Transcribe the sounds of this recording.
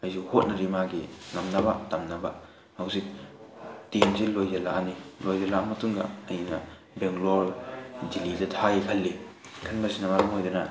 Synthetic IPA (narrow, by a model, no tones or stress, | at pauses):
ɐjzuhot̚nɐɾimaɡiŋɐmnɐbatɐmnɐba | hawsik̚ | tenzilojzɐlaʔanilojzɐlamɐtuŋɡɐ̰ɐjnɐ̰ | bɛŋlɔɾdilidɐtʰajkʰɐlːi | kʰɐnbasinɐmaɾɐmɦojdɐnɐ